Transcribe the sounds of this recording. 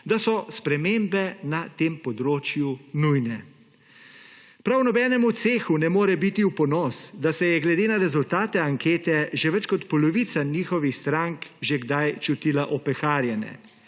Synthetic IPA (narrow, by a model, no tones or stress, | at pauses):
d̪asɔspɾɛmembɛnat̪eːmpɔd̪ɾoːt͡ʃjunujnɛ | pɾawnɔbɛːnɛmut̪seːxunɛmoːɾɛbit̪iwpɔnɔsd̪asɛjɛɡlɛd̪eːnaɾɛzult̪aːt̪ɛaŋkeːt̪ɛʒɛʋɛt͡ʃkɔt̪pɔlɔʋiːt̪saniːxɔʋixst̪ɾaŋkʒeɡd̪ajt͡ʃut̪ilaʔɔpɛxaːɾjɛnɛ̰